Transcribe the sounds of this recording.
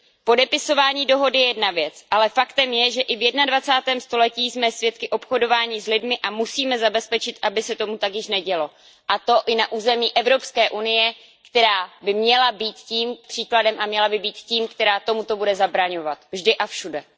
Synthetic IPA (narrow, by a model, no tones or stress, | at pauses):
po̞dɛpɪso̞vaːɲiːdo̞ɦo̞dɪjɛjɛdnavjɛt͡sʔalɛfakt̪ɛmjɛʒɛʔɪvjɛdnadvat͡saːt̪ɛːmst̪o̞lɛciːzmɛsvjɛt̪̚kɪʔo̞pxo̞do̞vaːɲizlɪdmɪʔamusiːmɛzabɛspɛt͡ʃɪt̪ʔabɪsɛt̪o̞mut̪akjɪʃnɛɟɛlo̞ | ʔat̪o̞ʔɪnaʔuːzɛmiːʔɛvɾo̞pskɛːʔunɪjɛ | kt̪ɛɾaːbɪmɲɛlabiːt̪ciːmpr̥iːkladɛmʔamɲɛlabɪbiːt̪ciːmkt̪ɛɾaːt̪o̞mut̪o̞budɛzabɾaɲo̞vat̪vʒdɪʔafʃudɛ